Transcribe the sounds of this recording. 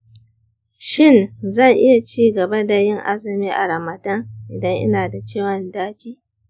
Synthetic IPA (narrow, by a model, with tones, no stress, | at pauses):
ʃɪ˦˨nzɐ˦˨ŋʔɪ˦ja˨t͡ʃiː˦ɡɐ˨ba˦da˨jɪ˦ŋʔa̰˦zɐ˨miː˦ʔa̰˨ɾa˨mɐ˨dɐ˦ŋʔɪ˨dɐ˦ŋʔɪ̰˦naː˨da˨t͡ʃeː˦˨wɐ˨ndaː˦d͡ʒiː˦